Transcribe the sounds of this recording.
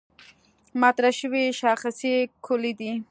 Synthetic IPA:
mɑt̪ɾaʃəwiʃɑxəsikʰʊlid̪i

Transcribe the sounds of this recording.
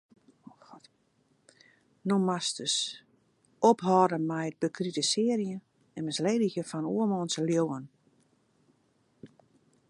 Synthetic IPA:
xt | nomastəs | ophɔːdəmɛjət̚bəkʰritəsɪərjə | ɛnmɛsleːdəçjəfɔnuəmɔːnsəljowən

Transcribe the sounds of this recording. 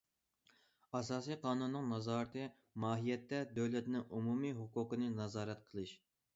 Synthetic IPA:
ɑsɑːsijqʰɑːnunːɨŋnɑzɑːɾɨt̪ʰɨ | mɑːɦijɛt̪ːɛd̪øwlɛt̪nɪŋumumiɦuqʊqənɨnɑzɑːɾɛt̪̚qʰəlˠɨʃ

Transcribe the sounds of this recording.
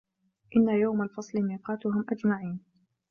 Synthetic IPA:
ʔɪnːajawmalfɑsˤlɪmiːqɑːt̪ʊɦʊmʔad͡ʒmaʕiːn

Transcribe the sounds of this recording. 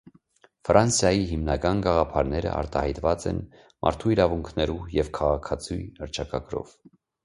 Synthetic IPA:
frʔɑnsjɑjiɦimnɑkɑnɡɑʁɑpʰɑɾnɛɾə̰ʔɑ̰ɾt̪ɑhɑjt̪vɑt͡sɛ̰n | mʔɑ̰ɾt̪ʰuiɾɑvuŋkʰnɛɾujɛvkʰɑʁɑkʰɑt͡sʰujəɾt͡ʃʰɑkɑɡɾɔ̰v

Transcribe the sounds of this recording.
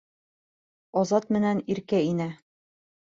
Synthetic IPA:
ɒzɑt̪mɘ̆næniɾkæinæ

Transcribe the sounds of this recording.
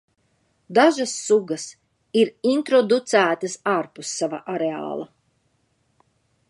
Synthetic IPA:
d̪aʒasːuɡɐs | iɾint̪ɾɔd̪ut̪sæːt̪asaɾpusːava̰ʔaɾea̰ːlˠa̰

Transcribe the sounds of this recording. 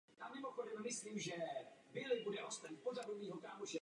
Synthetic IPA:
jaːmɪmo̞xodɛmːɪsliːmʒɛbɪlɪbudɛʔo̞st̪apozadoviːɦokaːmoʒɛ

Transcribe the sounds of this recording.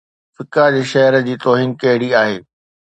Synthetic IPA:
fɪkad͡ʑeːʃɐɦəɾəd͡ʑiːt̪ɔːɦiːnkɐɦɪɽiaːɦeː

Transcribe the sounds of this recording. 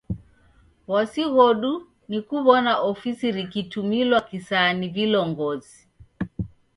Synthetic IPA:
wasiɣɔɗu | nikuβɔnaʔɔfisiɾikitumilwakisanivilɔŋɡɔzi

